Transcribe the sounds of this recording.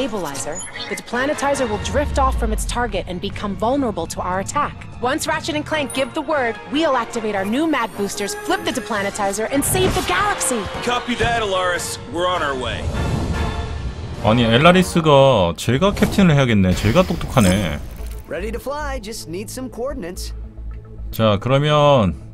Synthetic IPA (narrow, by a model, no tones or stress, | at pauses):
ɪbəlaɪzə˞ðɨdɨpʰl̥æñɨtʰaɪzə˞wɪlˠdɹɪftɔfɹʌ̃mɨtstʰɑɹɡɨɾɨ̃nbɨkʰʌ̃ɱvʌlˠnə˞əbl̩ˠtʰəaʊə˞ɨtʰæk | wʌ̃nsɹæt͡ʃɨɾɨ̃nkʰl̥æ̃ŋk̚ɡ̥ɪvðəwɜ˞d̚wil̩ˠæk̚tɨveɪɾaʊə˞nʉmæɡ̚bustə˞z̥flɪp̚ðɨdɨpʰl̥æñɨtʰaɪzə˞ʔɨ̃nseɪvðɨɡælˠəksikʰʌpiðɨɾəlɑɹɨs | wɪɹə̃na˞weɪ | a̰ɲieɭːaɾis͈ɯɡat͡ɕe̞ɡakʰep̚tʰinɯɭhe̞aɡe̞nːe̞t͡ɕe̞ɡat͈ok̚t̪͈okʰane̞ɹɛɾiɾɨflaɪd͡ʒʌstⁿnid̥sʌ̃mkʰoɔɹdⁿn̩ɨ̃nts | t͡ɕakɯɾʌmjʌn